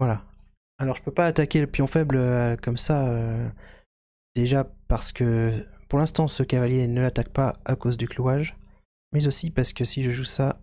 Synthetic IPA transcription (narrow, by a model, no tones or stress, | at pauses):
vwala | alɔʁʒəpøpaːt̪akʲeləpjɔ̃fɛbløkɔmsaø | d̪̥eʒapaʁsə̥kəpuʁlɛ̃st̪ɑ̃səkavaljenəlat̪ak̚paakozd̪ykluaʒ | mɛzosipaʁsə̥kəsiʒəʒusa